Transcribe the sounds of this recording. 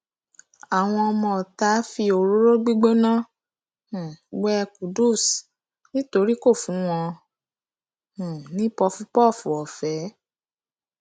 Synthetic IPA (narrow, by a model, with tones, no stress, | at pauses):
a˨w̃ɔ̃˧ɔ˧mɔ̃˧˨ta˨˦fi˧o˧ɾo˦ɾo˦ɡ͡bi˦ɡ͡bo˦nã˦ | hwɛ˦˧ku˨du˦˨s | nĩ˦to˧˦ɾi˦ko˦˨fũ˨˦w̃ɔ̃˧ | hũ˨nĩ˨˦pɔ˧fũ˦pɔ˦˨fu˨˦ɔ˨fɛ˨˦